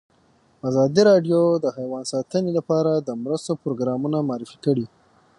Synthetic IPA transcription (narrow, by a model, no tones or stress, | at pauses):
azɑd̪iɾɑɖjod̪əhajwɑnsɑt̪ənelapɑɾad̪əmɾəst̪opɾoɡɾɑmunamɑːɾifi̥kəɽi